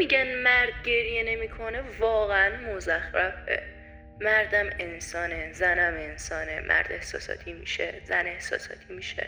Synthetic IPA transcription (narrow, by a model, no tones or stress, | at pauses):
miɟænmæɾd̪̚ɟe̞ɾjene̞miːkʰo̞nevɒːɣeænmozæxɾæbḛ | mæɾd̪æme̞nsɒːnezænæme̞nsɒːnemʔæ̰ɾd̪̥e̞hsɒ̰ːsɒ̰ːt̪ʰimḭːʃezæne̞hsɒ̰ːsɒ̰ːt̪ʰiːmiːʃḛ